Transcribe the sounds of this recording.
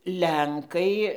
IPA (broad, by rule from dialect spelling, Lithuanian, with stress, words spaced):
ˈlʲɛŋkɐɪ